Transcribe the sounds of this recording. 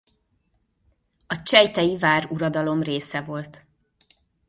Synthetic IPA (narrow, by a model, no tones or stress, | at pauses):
ɒt͡ʃɛjt̪ɛjivaːruɾɒd̪ɒlo̞mreːsɛvo̞lt̪